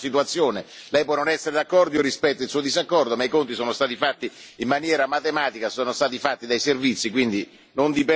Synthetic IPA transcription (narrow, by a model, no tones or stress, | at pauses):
sit̪̬uat̪sːjoːnelɛjp̬wɔnonɛsːeɾed̪akːɔrd̪iorːispɛt̪ːailsuːod̪izakːɔrd̪omaikont̪isoːnost̪aːt̪ifat̪ːiimːanjɛːɾamat̪emaːt̪ikasoːnost̪aːt̪ifat̪ːid̪ajservit̪sːikwind̪i | nond̪ipe